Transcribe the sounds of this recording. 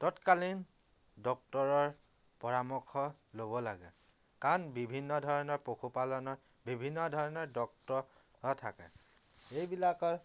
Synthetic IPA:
tɔtkalin | dɔk̚tɔɹɔɹ | pɔɹamɔkʰːɔlobɔlaɡɛ̰ | kanbibʱinːɔdʱɔɹɔnɔɹpokʰupalɔnɔ | bibʱinːɔdʱɔɹɔnɔɹdɔk̚tɔ | ɦɔtʰa̰kɛ̰ | ejbilakɔɹ

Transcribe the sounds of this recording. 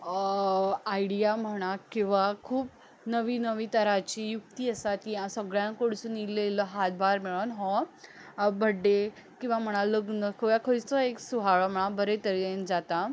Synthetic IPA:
aiɽijam̤əɽ̃akĩw̃ʋakʰuːp̚ | nəʋiːnəʋiːt̪əɾat͡ɕiːjuk̚t̪iːəsat̪iɦãsəɡɭjãkoɽt͡sunilːelɔɦat̪̚bʱaɾmeɭənɦɔ̃ | bʱəɖːe | kĩw̃ʋam̤əɽ̃ãləɡnəkʰəjakʰət͡sɔeksuɦaɭɔm̤əɽ̃abəɾet̪əɾeend͡zat̪a

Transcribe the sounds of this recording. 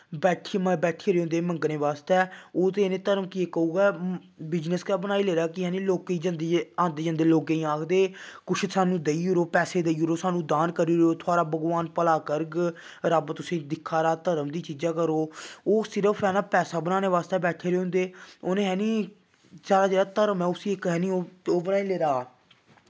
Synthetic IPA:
bɛːʈʰimbɛːʈʰeːɾeːɦʊ̃nd̪eːməŋɡəneːʋaːst̪ɛːoːt̪eːnẽːt̪əɾəmkɪeːkəuːɡɛː | bɪd͡ʒnəskaːbənaːiːleːɾaːkɪɦɛːnĩːloːkeiːd͡ʒãːnd̪eãːnd̪eːd͡ʒãnd̪eːloːkeːĩːaːkʰd̪eːkʊt͡ʃʰsaːnũːd̪eiːʊɾoːpɛːseːd̪eiːɾoːsaːnũːd̪aːnkəɾiːɾoːt̪ʰʊaːɾaːbəɡʋaːnpəlaːkəɾɡ | ɾabt̪ʊsĩːd̪ɪkʰːaːɾaːt̪əɾəmd̪iːt͡ʃiːd͡ʒãːkəɾoːoːsɪɾəfʰɛːnaːpɛːsaːbənaːneːʋaːst̪eːbɛːʈʰeːɾeːɦʊ̃nd̪eːoːnẽːɦɛːnĩː | d͡ʒaːɾaːd͡ʒeːɽaːt̪əɾəmɛ̃ːʊsiːɪkɦɛːniːoːoːbənaːiːleːɾaː

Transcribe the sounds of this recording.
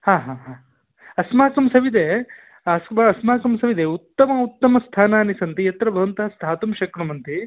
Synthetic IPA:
haːɦãːɦãː | ɐsmaːkɐmsɐʋid̪eː | ɐsmɐɐsmaːkɐmsɐʋid̪eːut̪ːɐmɐut̪ːɐmɐst̪ʰaːnaːnisɐnt̪ijɐt̪ɾɐbʱɐʋɐnt̪ɐɐst̪ʰaːt̪umʃɐkɾɐmɐnt̪i

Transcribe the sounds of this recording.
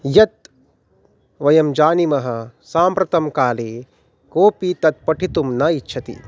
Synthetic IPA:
jɐt̪̚ | ʋɐjɐmd͡ʒaːnimɐɦɐ̆saːmpɾɐt̪ɐmkaːleː | koːpit̪ɐt̪̚pɐʈʰit̪umnɐitːʃʰɐt̪ḭ

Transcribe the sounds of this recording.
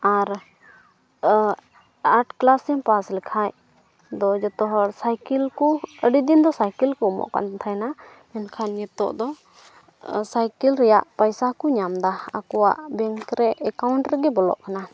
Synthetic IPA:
aɾ | aʈklasɛmpaslikʰaj | d̪ɔd͡ʒɔt̪ɔɦɔsajkilkuəɖid̪ind̪ɔsajkilkɔmɔ̰ʔka̰nt̪ʰajna | mɛnkʰanɲɛt̪ɔ̰ʔd̪ɔ | sajkilɾɛjaʔpəjsakɔɲamd̪aa̰kɔwa̰ʔbɛŋkɾɛɛkawɳʈɾɛɡɛbɔlɔ̰ʔkana

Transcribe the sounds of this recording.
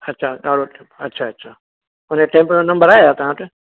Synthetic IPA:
ətːʃʰaːɗaːɽoʈ | ətːʃʰaːətːʃʰaː | əneʈẽːmponə̃mbəɾaːjat̪ɐɦãt̪e

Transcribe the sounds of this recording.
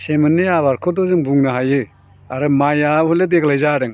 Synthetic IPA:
semɯnːeaβaɾkʰɔdɔzɯŋbuŋnɯɦajɯ | aɾɯmajaɔledeklajzaɾɯŋ

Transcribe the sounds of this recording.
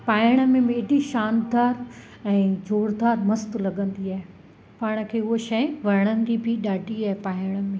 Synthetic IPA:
paːɪɽ̃ə̆mẽmẽeɖiʃaːnd̪aːɾ | ɛ̃ːd͡ʑʱoːɽd̪aːɾmɐst̪lɐɠə̃nd̪iaːɦe | paːɽ̃ə̆kʰeːʊɦoʃɐɪ̃ʋɐɾəɽ̃ənɪ̆d͡ʑibʱiɗaːʈiaːɦepaːɪɽ̃ə̆mẽ

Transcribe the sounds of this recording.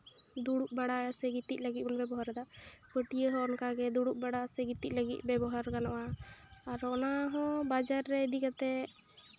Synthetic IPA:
d̪uɽuk̚baɽasəɡit̪it̪̚ˀləɡit̪̚bənbɛbɔɦaɾd̪aʔpəʈijəɦɔ̃ɔnkaɡɛd̪uɽuk̚baɽasɛɡit̪it̪̚ˀləɡit̪̚ˀbɛbɔɦaɾkanɔwaː | ɾɔnaɦɔ̃bad͡ʒaɾːɛid̪ikat̪ɛ

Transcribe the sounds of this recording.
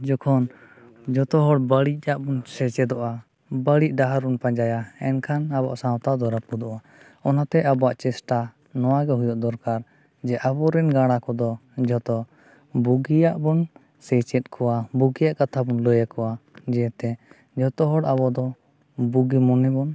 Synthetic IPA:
d͡ʒɔkʰɔn | d͡ʒɔt̪ɔɦɔɽbəɽic̚ˀaʔbɔnsɛt͡ʃɛd̪ɔʔa | bəɽic̚ɖaɦaɾbɔnpãɲd͡ʒajaɛnkʰanaba̰ʔsãwt̪ad̪ɔɾat̪̚bud̪ɔʔa | ɔnat̪ɛʔabɔaʔt͡ʃɛsʈa | nɔwaɡɛɦujɔʔd̪ɔɾkaɾ | d͡ʒɛʔabɔɾɛnɡaɽ̃akɔd̪ɔd͡ʒɔt̪ɔ | buɡijaʔbɔn | sɛt͡ʃɛt̪̚kʰɔwabuɡijaʔkat̪ʰabɔnlɔjakɔwad͡ʒɛɛt̪ɛ | d͡ʒɔt̪ɔɦɔɽabɔd̪ɔ | buɡimɔnɛbɔn

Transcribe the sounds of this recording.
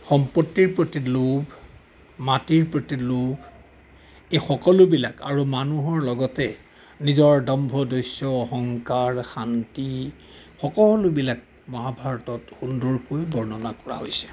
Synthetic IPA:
xɔmpotːiɹpɹotilob | matiɹpɹotilob | exɔkɔlʊbilakaɹumanuɦɔɹlɔɡɔtɛ | nizɔɹdɔmbʱɔdojsɔːɦɔŋkaɹxanti | xɔkɔlʊbilak̚ | mɔɦabʱaɹɔtɔtxundɔɹkojbɔɹnɔnakɔɹa̰ɦojsɛ̥

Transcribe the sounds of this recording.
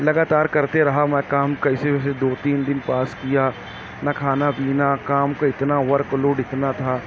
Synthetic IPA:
lɐɡaːt̪aːɾkɐɾt̪eɾɐɦamɛ̃kaːmkɐiseʋɛːsed̪oːt̪iːnd̪ɪnpaːskija | nakʰaːnabiːnakaːmkoɪt̪naʋɐɾkloːɖɪkʰnat̪ʰaː

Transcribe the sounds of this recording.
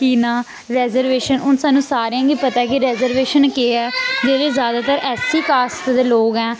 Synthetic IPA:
kiːnaː | ɾɛːzəɾʋeːʃənʊnsaːnːũːsaːɾejãːɡiːpət̪aːɛkiɾɛːzəɾʋeːʃənkeːɛːd͡ʒeːʋeːzjaːd̪aːt̪əɾɛːsiːkaːst̪d̪eːloːɡɛː

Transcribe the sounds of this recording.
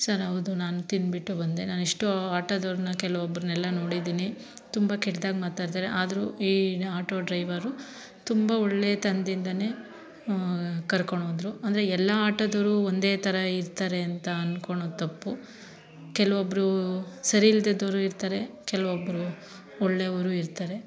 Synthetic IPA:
sɐɾɐʋd̪unaːnut̪inbiʈːubɐnd̪e̞naːniʂʈuaːʈɐd̪ɐɾnɐkɛlɐʋɔbːɐɾunɛlːɐno̞ːɽid̪iːni | t̪umbɐkɛʈd̪aːɡmaːt̪aːɾt̪aːɾeʔaːd̪ɐɾuiːaːʈo̞ːɖɾɐjʋɐɾu | t̪umbɐɔɭːeːɐt̪ɐnd̪ind̪ɐne̞ː | kɐɾkoɳoːd̪ɾuɐnd̪ɐɾeɛlːɐaːʈɐd̪ɐɾuond̪e̞ːt̪ʰɐɾɐiɾt̪aːɾe̞ɐnt̪ɐɐnkoɳot̪ɐpːu | kɛlɐʋobːɐɾusɐɾiild̪ed̪ɐɾuiɾt̪aːɾe̞kɛlɐʋobːɐɾu | ɔɭːeʋɐɾuiɾt̪aːɾe̞

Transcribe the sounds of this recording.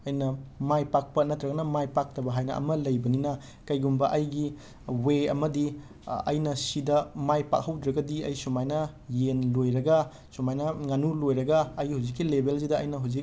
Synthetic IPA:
ɐjnɐmajpak̚pɐnɐt̪ɾɐɡɐnɐmajpak̚tɐbɐɦajnɐ̰ɐ̰mɐlɐjbɐninɐ | kɐjɡumbɐʔɐjɡi | weɐ̰mɐdi | ɐ̰jnɐsidɐmajpa̰k̚hɐwdɾɐɡɐdiɐjsumajnɐ | jenlojɾɐɡɐ | sumajnɐŋanulojɾɐɡɐːjɡhawzikːilebels̬idɐɐjnɐɦawzik̚

